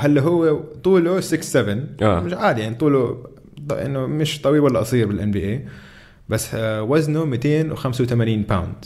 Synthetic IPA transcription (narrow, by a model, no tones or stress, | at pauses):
halːaɦʊwːet̪ˤuːlusɪksːɛvɪna̰ːmɪʃʕaːd̪ijaʕnit̪ˤuːlu | ʔɪ̰nːʊmɪʃt̪ˤɑwiwalːaʔɑsˤiːɾbɪlʔanbiːʔeː | basːwaznumit̪eːnwxamsawt̪amaniːnpawnd̪